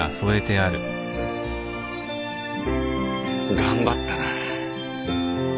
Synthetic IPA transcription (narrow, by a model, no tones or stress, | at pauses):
a̰so̞e̞t̪e̞aɾɯ̟ | ɡãmbat̪ːana